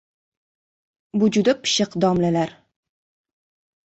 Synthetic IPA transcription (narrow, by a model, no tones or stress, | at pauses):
bʊd͡ʒʊd̪apʰɨ̥ʃɨqd̪ɒmlalaɾ